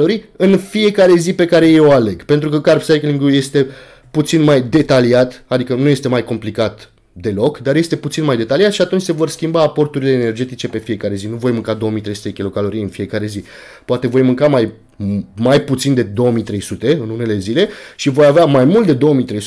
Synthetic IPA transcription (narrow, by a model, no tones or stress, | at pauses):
oɾiɨnfie̞kaɾe̞zipe̞kaɾe̞jeoale̞ɡpe̞nt̪ɾukəkarpsajkliŋɡuje̞st̪e̞ | put̪sinmajd̪e̞t̪aliat̪ad̪ikənujest̪e̞majko̞mplikat̪ | d̪e̞lo̞kd̪arje̞st̪e̞put̪sinmajd̪e̞t̪aliat̪ʃiat̪unt͡ʃʲse̞vo̞rskʲimbaːpo̞rt̪uɾile̞ːne̞rd͡ʒe̞t̪it͡ʃe̞pe̞fije̞kaɾe̞zinuvo̞jmɨŋkad̪o̞omijt̪ɾejsut̪eekʲilo̞kalo̞ɾijɨnfije̞kaɾe̞zi | poat̪e̞vo̞jmɨŋkamaj | majput̪sind̪e̞d̪o̞wəmijt̪ɾe̞jsut̪e̞ɨnune̞le̞zile̞ʃivo̞javeamajmult̪d̪e̞d̪o̞omijt̪ɾejs